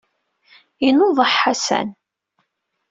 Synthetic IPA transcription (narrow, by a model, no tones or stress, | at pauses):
inoðˤəħːasæ̰n